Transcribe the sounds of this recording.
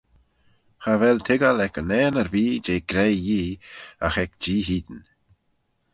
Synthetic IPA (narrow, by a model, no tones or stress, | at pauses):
havɛlt̪ʰɪɡalɛkənɛːnəɾbiːd͡ʒeːɡɾɛjjiːa̰xɛkd͡ʒiːɦiːd̪ən